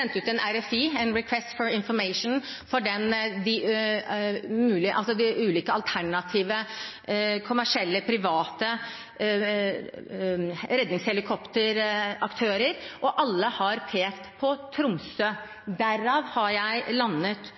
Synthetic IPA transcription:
ɛnt̪ʉːt̪ɛnæɾɛfiːɛnɾɛkʰwɛst̪fɔɾɪnfɔɾmeɪʂnfɔɖɛnd̪ɪ | mʉːlɪʔɑlsɔd̪ɪʔʉːliːkəɑlt̪ʰæɳɑt̪ʰiːʋə | kʰʊmæʂɪɛlːəpʰɾɪʋɑːt̪ə | ɾɛd̪nɪŋshɛlɪkʰɔpt̪əɾɑkt̪ʰøːɾəɾʔɔʔɑlːəhɑɾpʰeːkt̪pʰɔt̪ʰɾʊmsø | d̪æɾɑːʋhɑɾjæɪlɑnːət̪

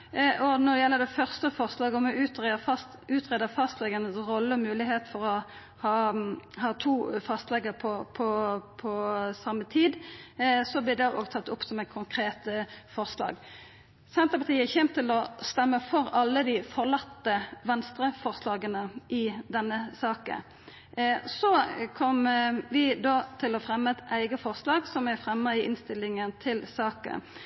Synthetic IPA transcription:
ʔɔnɔd̪ɛjɛlːəʁd̪ɛfœʁst̪əfɔʁslɑːɡɔmɛʉːt̪ɑs | ʉːt̪ʁeːd̪əfɑst̪lɛɡɑnəsʁɔlːəɔmʉːlɪɦeːt̪fɔɾɔ | hɑːhɑːt̪ʰuːfɑst̪lɛɡəʁpʰɔpʰɔpʰɔsɑmːət̪ʰiːd̪sɔblɪd̪ɛʔoːɡt̪ʰɑt̪ːʊpsɔmɛt̪̚kʰʊŋkʰʁeːt̪əfɔʁslɑ̰ːɡ | sɛnt̪əpʰɑʁt̪ʰiːəæçɛmt̪ʰːɪlɔst̪ɛmːəfɔɾɑlːəd̪ɪfɔʁlɑt̪ːəʋɛnst̪ɾəfɔʁslɑːɡənəʔɪd̪ɛnːəsɑːkə̰n | sɔkʰɔmʋɪd̪oːt̪ʰɪlɔfɾɛmːət̪æɪɡəfɔʁslɑːɡsɔmæfʁɛmːəɾɪʔɪnst̪ɪlːɪŋənt̪ʰɪlsɑːkə̰

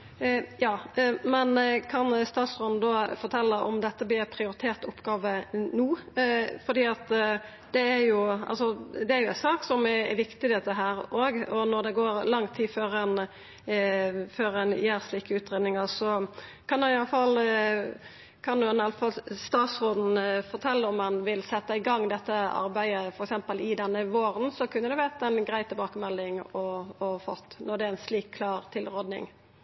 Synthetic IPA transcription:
jɑːmɛnkʰɑnst̪ɑːt̪sʁoːnn̩d̪ɔfɔɾt̪ʰɛlːəʔɔ̰md̪ɛt̪ːəblɪːpʰɾɪʊɾɪt̪ʰeːɾt̪ʊpːɡɑːʋənuːfɔɾd̪iːɑt̪ | d̪̥ɛæɾjʊʔɑ̰lsɔd̪ɛæɾjʊɛnsɑːksɔmɛʋɪkt̪ɪd̪ɛt̪əɦæːɾoːɡɔnɔɾd̪ɛɡoːɾlɑŋːt̪ʰiːføːɾɛn | føːɾɛnjæːɾsliːkəʉːt̪ɾeːd̪nɪŋəɾsɔ | kʰɑnd̪ʉɪjɑləfɑl | kʰɑnd̪ʉɛnɑlfɑlst̪ɑːt̪sʁoːd̪n̩fɔɾt̪ʰɛlːəɔmːɑnʋɪlsɛt̪ːəɪɡɑŋːd̪ɛt̪ːəɑ̰ɾbæɪəfɔɾɛksɛmpəlɪd̪ɛnːəʋoːɾənsɔkʰʉnːəd̪ɛʋæt̪ɛnɡɾæɪt̪ʰɪlbɑːkəmɛlːɪŋɔɔfɔ̰t̪ːnɔɾd̪ɛæɾɛnsliːkʰːlɑːɾt̪ʰɪlʁoːd̪nɪ̰ŋ

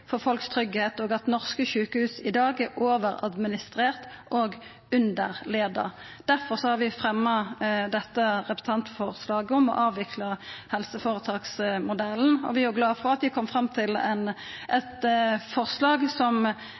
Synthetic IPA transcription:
fɔʁfɔlkst̪ʰɾʏɡheːt̪ɔːɡɑt̪nɔʁskəʃʉːkəhʉːsɪd̪ɑːɡæoːʋəɾɑ̰d̪mɪnɪst̪ʁeːʁt̪ʔoːɡ | ʉnd̪əʁleːd̪ɑ̰ | d̪̥æʁfɔʁsɔhɑɾʋɪfʁɛmːɑd̪ɛt̪ːəʁɛpst̪ʰɑnt̪fɔʁslɑːɡəɔmɔ̰ʔɑːʋɪkʰlɑhɛlsəfoːʁət̪ʰɑːksmʊd̪ɛlnɔ̰ʋɪæɡlɑːfɔʁɑt̪ʋɪkʰɔmfʁɑmːt̪ʰɪlɛn | ʔɛt̪fɔʁslɑːɡsɔm

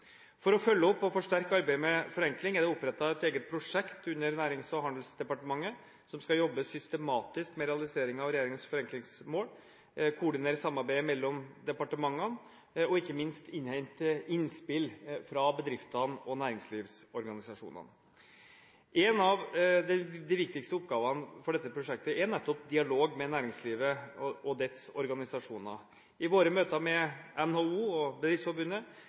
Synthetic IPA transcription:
fɔɾɔfœlːəɔpːɔfɔʂʈæɾkəɑɾbæɪəmɛfɔɾɛŋklɪŋæɖɛɔpːɾɛt̪ːɑɛt̪eːɡət̪̚pʰɾʊʂɛkt̪ʉnːəɾnæːɾɪŋsɔɦhɑnd̪l̩sd̪ɛpɑʈəmɑŋːə | sɔmskɑjɔbːəsʏst̪əmɑːt̪ɪskmɛɾɛɑlɪseːɾɪŋɑʋɾɛjeːɾɪŋənsfɔɾɛŋklɪŋsmoːl | kʰʊɖɪneːɾəsɑmːɑɾbæɪmɛlːɔmd̪ɛpɑʈəmɑŋːən | ɔɪkːəmɪnst̪ɪnhɛɪnt̪ɪnspɪlfɾɑbəd̪ɾɪft̪ɑnɔnæːɾɪŋsliːʋsɔɾɡɑnɪsɑʂṵːnə̰n | ʔeːnɑʋd̪ɛd̪ɛʋɪk̚t̪ɪkst̪əʊp̚ːɡɑːʋɑnfɔɖɛt̪ːəpʰɾʊʂɛk̚t̪əɛnæt̪ːɔp̚d̪ɪɑloːɡmɛnæːɾɪŋsliːʋəɔd̪ɛt̪sɔɾɡɑnɪsɑʂuːnə̰ | ɪʋoːɾəmøːt̪əmɛɛnhouːɔbəd̪ɾɪftsfɔɾbʉnːə

